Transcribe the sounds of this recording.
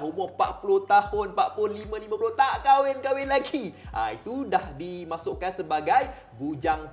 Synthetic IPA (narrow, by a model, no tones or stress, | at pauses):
ɦumʊpaʔpuloht̪ahʊnpaʔpulʊnlimə̃limãpuloht̪aʔkawɪnkawɪnlaɡiʔa̰ḭt̪udahdimãsoʔkansəbaɡaj | bud͡ʒaŋ